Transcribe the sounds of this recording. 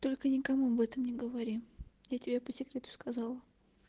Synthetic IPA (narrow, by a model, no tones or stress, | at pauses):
t̪olʲkənʲɪkɐmuɐbɛt̪əmnʲɪɡəvɐɾʲijatʲɪbʲepəsʲɪkɾʲe̞t̪ʊ̥skʰazɑlˠə